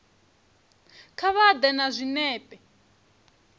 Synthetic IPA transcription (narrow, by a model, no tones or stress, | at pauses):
kʰaβad̪ɛnazʷinɛːpʼɛ